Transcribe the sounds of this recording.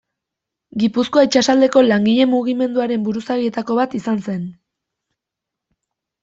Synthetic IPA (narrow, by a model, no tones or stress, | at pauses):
ɡipuskoait͡ʃasald̪e̞ko̞laŋɡiʎe̞muɣime̞nd̪uaɾe̞mbuɾusaɣie̞t̪ako̞βat̪isanse̞n